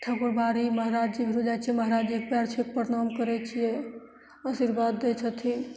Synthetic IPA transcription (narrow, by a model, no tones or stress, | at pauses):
ʈʰəkuɾbaɾiməɦɾad͡ʒd͡ʒibʱiɾud͡ʒajt͡ʃʰijɛməɦɾad͡ʒd͡ʒikpjaɾt͡ʃʰikpəɾnamkəɾɛt͡ʃʰijɛ | əsiɾbad̪ːet͡ʃʰət̪ʰin